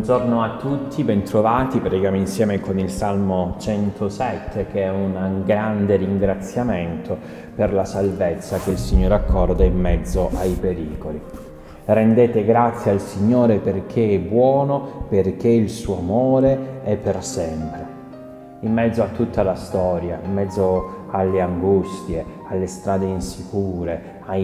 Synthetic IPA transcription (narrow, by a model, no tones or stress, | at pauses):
und͡ʒornoat̪ːut̪ʰːibɛnt̪ɾovaːt̪ipɾeiɡjaːmoinsjɛːmekonilsalmot͡ʃɛnt̪ʰosɛt̪ʰːekeɛunɡɾand̪eɾiŋɡɾat̪sjament̪ʰo | perlasalvet̪sːak̟elsiɲːoːɾeakːɔrd̪aimːɛd̪zːoʔajpeɾiːkoli | rend̪eːt̪eɡɾat̪sːjaalsiɲːoːɾeperk̟ʰeɛbːwɔːnoperk̟ːeilsuːoamoːɾeɛpːersɛmpɾe | imːɛd̪zːoat̪ːut̪ʰːalast̪ɔːɾja̰ḭmːɛd̪zːoalːeaŋɡust̪je | alːest̪ɾaːd̪einsikuːɾe | a